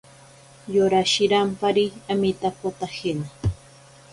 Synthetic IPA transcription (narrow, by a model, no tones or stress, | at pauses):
joɾaʃɪɾampaɾiamɪt̪apot̪ahɪna